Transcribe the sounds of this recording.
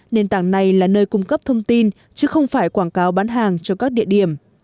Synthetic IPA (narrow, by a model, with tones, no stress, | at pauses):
ne˧nt̪aː˧˩ŋna˨˩jlaː˨˩nəː˧jkʊ˧ŋ͡mkə˦˥p̚t̪ʰə˧wŋ͡mt̪i˧n | t͡ɕɨ˨˦xə˧wŋ͡mfaː˧˩jkwaː˧˩ŋkaː˨˦wɓaː˨˦nɦaː˨˩ŋt͡ɕɔ˧kaː˦˥k̚ɗḭ˧˨əɗi˧˩əm